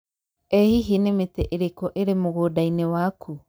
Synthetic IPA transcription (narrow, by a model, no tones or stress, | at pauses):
ehiɦinemetɛʔeɾekɔʔeɾemoɣoːdainewaːkʰu